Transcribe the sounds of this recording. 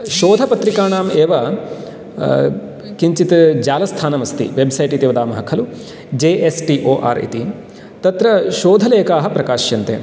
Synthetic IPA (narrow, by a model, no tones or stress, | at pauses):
ʃoːd̪ʱɐpɐt̪ɾikaːɳaːmeːʋɐ | kiɲt͡ʃit̪d͡ʒaːlɐst̪ʰaːnɐmɐst̪ḭʋebsɐjʈit̪iːʋɐd̪aːmɐɦɐkʰɐlu | d͡ʒeːʔesʈiʔoːʔa̰ːɾḭt̪i | t̪ɐt̪ɾɐʃoːd̪ʱɐleːkaːɦɐpɾɐkaːʃjɐnt̪ḛː